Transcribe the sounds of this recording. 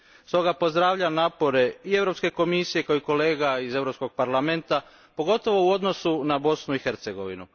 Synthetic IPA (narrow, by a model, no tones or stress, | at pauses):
st̪o̞ɡapo̞zd̪ɾaːʋʎanaːpo̞ɾe̞ie̞ʋɾo̞pske̞ko̞misije̞kaoiko̞le̞ːɡaize̞ʋɾo̞psko̞ɡ̥̚paɾlˠame̞nt̪a | po̞ɡo̞t̪o̞ʋo̞uo̞d̪no̞sunabo̞snuixe̞ɾt̪se̞ɡo̞ʋḭnṵ